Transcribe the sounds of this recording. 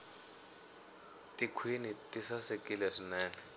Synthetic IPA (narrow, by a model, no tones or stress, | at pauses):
tʼikʰwinitʼisasekilɛʂinɛːnɛ